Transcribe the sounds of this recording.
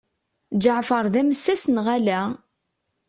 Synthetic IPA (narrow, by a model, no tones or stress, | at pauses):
d͡ʒəʕfəɾˤðæməsːæsənʁælæ